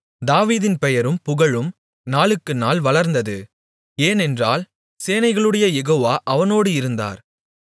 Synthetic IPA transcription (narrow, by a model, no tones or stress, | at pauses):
d̪aːʋiːðɪnpɛjɐɾɯmpʊɣɐɭɯm | naːɭɯkːɯnaːlʋɐɭɐɾnd̪ɐðɯ | eːnɛndraːl | seːnɐɪɣɐɭɯɽɐjɐjɛɣoːʋaːʔɐʋɐnoːɽɯɪɾɯnd̪a̰ːɾ